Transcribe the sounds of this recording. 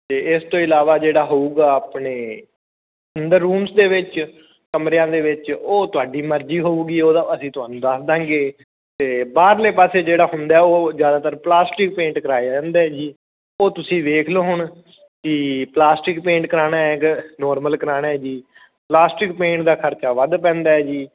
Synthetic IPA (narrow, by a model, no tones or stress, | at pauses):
t̪eːɪst̪õːɪlaːʋaːd͡ʒeːɽaːɦoːuːɡaːaːpɳeː | ənd̪əɾːuːmsd̪eːʋɪt͡ʃ | kəmɾejãːd̪eːʋɪt͡ʃoːt̪ʊaːɖiːməɾd͡ʒiːɦoːuːɡiːoːd̪aːpəsĩːt̪ʊaːnũːd̪əsd̪ãːŋɡeː | t̪eːbaːɾleːpaːseːd͡ʒeːɽaːɦʊ̃nd̪aːɛoːzjaːd̪aːt̪əɾplaːsʈɪk̚pẽːɳʈkəɾaːeãːnd̪eɛːd͡ʒiː | oːt̪ʊsĩːʋ̪eːkʰloːɦʊɳ | kiplaːsʈɪkpẽːɳʈkəɾaːnaːɛknɔːɾməlkəɾaːnaːɛːd͡ʒiː | plaːsʈɪk̚pẽːɳʈd̪aːkʰəɾt͡ʃaːʋəd̪pɛ̃ːnd̪aːɛːd͡ʒiː